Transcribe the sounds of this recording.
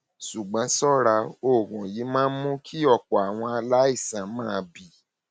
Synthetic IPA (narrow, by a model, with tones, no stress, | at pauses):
ʃu˨ɡ͡bã˨˧sɔ˦ɾa˧o˨ɾũ˨ji˨˦mãː˦n̩˦mũ˦kʰi˦ɔ˦˨k͡pɔ˨a˨w̃ɔ̃˧a˧la˦i˦˨sã˨mãː˦˧bi˦˨